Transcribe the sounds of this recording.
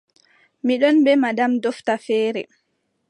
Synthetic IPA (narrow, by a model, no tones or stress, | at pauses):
miɗɔnbɛmadamdɔftafɛːɾɛ